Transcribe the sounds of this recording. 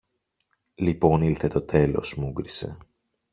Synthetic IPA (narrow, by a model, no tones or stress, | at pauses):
lipo̞nilθe̞t̪o̞t̪ʰe̞lo̞̰smuɡɾise̞̰